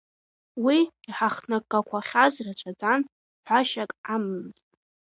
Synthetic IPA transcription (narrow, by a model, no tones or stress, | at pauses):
wiiħaχnakʼːakʷʰaχʲazrat͡ɕʷʰad͡zʼan | ħʷᶣaʃakʼamɨmztʼ